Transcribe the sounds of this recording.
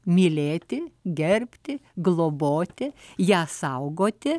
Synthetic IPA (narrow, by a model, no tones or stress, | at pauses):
mʲiːlʲeːt̪ʲɪɡʲɛɾʲpʲt̪ʲɪɡlˠoːboːt̪ʲɪjæːsɐʊɡoːt̪ʲɪ